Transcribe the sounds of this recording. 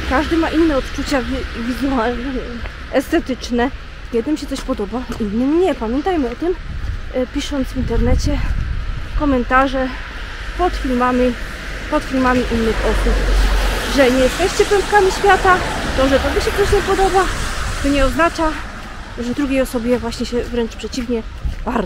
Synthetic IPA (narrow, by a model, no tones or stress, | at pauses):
kaʐd̪ɘmaʔinːɛɔt̪t͡ʂut͡ɕavʲvʲizualnɛɛ | ɛst̪ɛt̪ɘt͡ʂnɛ | kjɛd̪ɘmɕɛt̪ɔɕpɔd̪ɔbainːɘmɲɛpamʲjɛnt̪ajmɘɔt̪ɘm | pʲiʂɔnt̪svʲint̪ɛɾnɛt͡ɕɛ | kɔmɛnt̪aʐɛ | pɔt̪fʲilmamʲi | pɔt̪fʲilmamʲiʔinːɘxɔsupʐɛɲɛjɛst̪ɛɕt͡ɕɛpɛmpkamʲiɕfʲjat̪at̪ɔʐɛt̪ɔɡɔɕɛt̪ɔɕɲɛpɔd̪ɔbat̪ɔɲɛɔznat͡ʂa | ʐɛvd̪ɾuɡʲejɔsɔbʲjɛvwaɕɲɛɕɛvɾɛnt͡ʂpʂɛt͡ɕivɲɛ | baɾ